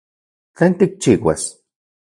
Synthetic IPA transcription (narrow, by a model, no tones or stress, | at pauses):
t͡ɬant̪ik̚t͡ʃiwa̰s